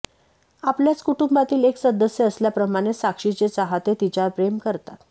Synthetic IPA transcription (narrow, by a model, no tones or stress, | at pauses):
apljat͡skuʈumbat̪iːleksəd̪əsjeəsljapɾəmaɽ̃esakʂit͡ɕet͡saɦat̪et̪it͡ɕaɾpɾemkəɾt̪at̪